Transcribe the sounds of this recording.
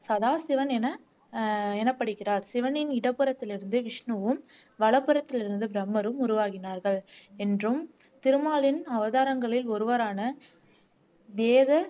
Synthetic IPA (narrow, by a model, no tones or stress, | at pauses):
sɐðaːsɪʋɐnɛnɐ | ɛnɐpːɐɽɯkːɪraːɾsɪʋɐnɪnɪɽɐpːɯɾɐt̪ːɪlɪɾɯnd̪ɯʋɪʂɳɯʋɯm | ʋɐɭɐpːɯɾɐt̪ːɪlɪɾɯnd̪ɯbɪɾɐmːɐɾɯmʊɾʊʋaːɣɪnaːɾɣɐɭɛndrɯm | t̪ɪɾɯmaːlɪnɐʋɐðaːɾɐŋɡɐɭɪlɔɾɯʋɐɾaːnɐ | ʋeːðɐ